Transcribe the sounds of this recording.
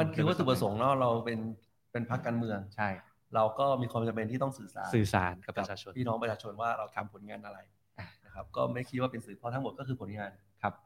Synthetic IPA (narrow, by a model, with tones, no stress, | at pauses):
ma˧nkʰɯ˥˧wa˥˩u˨˩pɾa˧so˩˦ŋnɔ˦˥ɾa˧wpe˧n | pe˧npʰa˦˥kːaː˧nmɯ˧əŋt͡ɕʰa˥˩j | ɾa˧wkɔː˥˩miː˧kʰwaː˧mt͡ɕa˧mpe˧nt̪iː˥˩t̪ɔ˥˩ŋsɯː˨˩sa̰ː˩˦nsɯː˨˩sa̰ː˩˦nka˧˦˩aː˧t͡ɕʰo˧pʰiː˥˩nɔː˦˥p̬ɾt͡ɕʰaː˧t͡ɕʰo˧nwaː˥˩ɾa˧wt̪ʰa˧mpʰo˩˦nŋaː˧nʔa˧ɾa˧j | a˨˩na˦˥˩kʰɾa˦˥p̚kɔː˥˩ma˥˩jkʰi˦˥t̪̚waː˥˩pe˧nsɯː˨˩˦pʰɔ˧t̪ʰa˦˥mo˨˩t̚kɔ˥˩ɯː˧pʰo˩˦nŋaː˧nkʰa˦˥p̚